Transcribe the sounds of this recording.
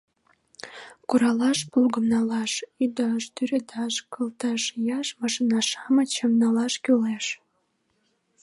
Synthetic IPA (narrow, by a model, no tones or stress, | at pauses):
kuɾɑlɑʃpulɡəmnɑlɑʃyd̪ɑʃt̪yɾed̪ɑʃkə̆lt̪ɑʃjɑʃmɑʃinɑʃɑmət͡ɕəmnɑlɑʃkyleʃ